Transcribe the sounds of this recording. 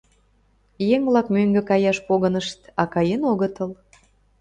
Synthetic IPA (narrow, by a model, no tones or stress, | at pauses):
jeŋβlɑkmøŋɡĕkɑjɑʃpoɣənəʃt̪ɑkɑjenoɣət̪əl